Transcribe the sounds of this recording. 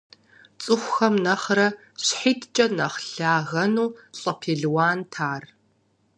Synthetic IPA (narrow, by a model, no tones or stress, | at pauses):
t͡sʼɨxʷxɐmnɐχrɐ | ɕħiːtʰt͡ʃʼɐnɐχɬaːɣɐnuːɕʼɐpʰeːɮwaːntʰaːr